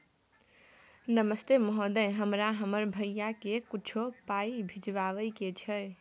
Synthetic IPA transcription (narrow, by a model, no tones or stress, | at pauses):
nəməst̪eməɦod̪ə̃ɦəmɾaɦəməɾbʱəjjakekut͡ʃʰopaibʱid͡ʒʋaʋəjket͡ʃʰəj